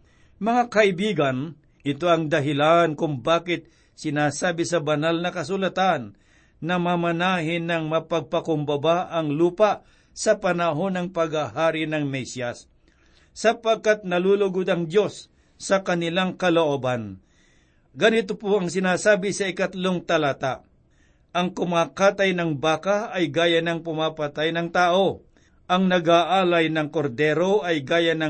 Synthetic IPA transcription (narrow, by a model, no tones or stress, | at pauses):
mɐŋakɐʔɪbiːɡɐn | ʔɪt̪oʔɐŋd̪ɐɦɪlankʊŋbaːkɪt̪̚ | sɪnaːsaːbɪsɐbɐnalnɐkɐs̬ʊlɐt̪anː | ɐmamɐnaːɦɪnɐŋmɐpɐɡ̚pɐkʊmbɐbaʔɐŋluːpaʔ | sɐpɐnɐɦo̞nɐŋpɐɡahaːɾɪnɐŋmɛsjasː | ɐpɐɡ̚kat̪̚nɐluːlʊɡʊd̪ɐŋd̪jo̞sː | ɐkɐnɪlaŋkɐloʔoːban | ɡɐnɪt̪opoɐŋsɪnaːsaːbɪsɐɪkɐt̪loŋt̪ɐlat̪aʔ | ʔɐŋkʊmaːkaːt̪ɐjnɐŋbaːkaɐjɡaːjɐnɐŋpʊmapɐt̪ajnɐŋt̪aːʔo̞ | ʔɐŋnɐɡaʔaːlɐjnɐŋkoɾd̪ɛːɾo̞ʔɐjɡaːjanɐ